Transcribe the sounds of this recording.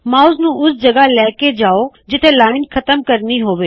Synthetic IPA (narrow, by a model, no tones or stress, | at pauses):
mãːʊsnũːʔʊsd͡ʑɐɡalɛːked͡ʑaːo | d͡ʑɪt̪ʰelaːɽɪnixʰɐt̪əmkɐɾniɦoːʋeː